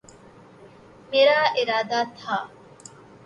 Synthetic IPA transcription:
miɾaːʔeɾaːd̪aːt̪ʰaː

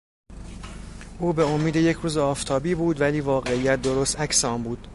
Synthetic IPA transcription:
ʔuːbe̞omiːd̪e̞je̞cʰɾuːzeɒːft̪ʰɒːbiːbuːd̪væliːvɒːɣe̞ijæt̪̚d̪o̞ɾost̪æcseɒːmbuːd̪̥

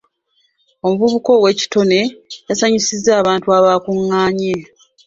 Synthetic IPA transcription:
o̞muβuβuko̞ːwe̞ci̥to̞ne̞jasaɲisizːaːβaːntuaβakuŋːaːɲe

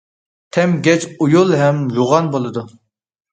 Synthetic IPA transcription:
t̪ʰɛmɡʲɛt͡ʃujulˠɦɛmjoʁɑnbolˠɨd̪u

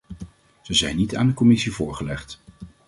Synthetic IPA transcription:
z̥əzɛjnita̰ːndəkɔmɪsivʊːɹχəlɛχt

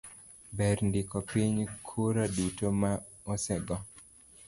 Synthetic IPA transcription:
bɛɾndɪkɔpiɲkʰuɾadutoma | ɔsɛɡɔ

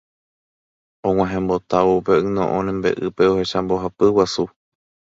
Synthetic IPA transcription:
õŋ̃ãɦẽmbo̞t̪aʋoupeɨnõ̰ʔõnẽmbe̞̰ʔɨpe̞o̞he̞ʃamboɦapɨwasu

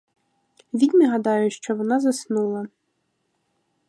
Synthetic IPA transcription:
ʋʲid̪ʲnɛɦɐd̪ɑjʊʃt͡ʃɔʋɔnɑzɐsnulˠɐ

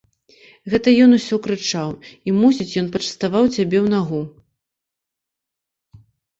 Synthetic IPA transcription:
ɣɛt̪ɐjɔnusʲɔkɾɨt͡ʂawimusʲit͡sʲjɔnpɐt͡ʂɐ̥st̪avawt͡sʲabʲɛwn̪aɣu

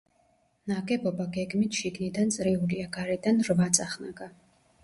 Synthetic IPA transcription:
naɡɛbɔbaɡɛɡmit̪ʰʃiɡnid̪ant̪sʼɾiuliaɡaɾɛd̪anrvat̪sʼaχna̰ɡa

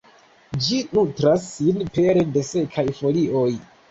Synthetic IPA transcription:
d͡ʒinutɾasːinpe̞ɾede̞se̞kʰajfo̞liʔo̞j

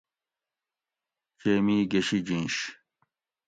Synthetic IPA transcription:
t͡ɕeːmiːɡeɕid͡ʑĩnɕ

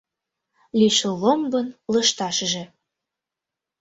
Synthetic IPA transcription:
lʲiʃəlombɤnləʃt̪ɑʃʒĕ

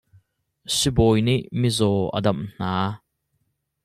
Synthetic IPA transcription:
sibɔjniʔmizɔːʔə̰dɐmn̥aː

